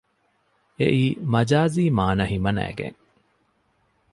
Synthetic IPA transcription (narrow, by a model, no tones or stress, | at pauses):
ḛʔiːmɐd͡ʒaːziːmaːnɐɦimɐnæ̰ːɡḛŋ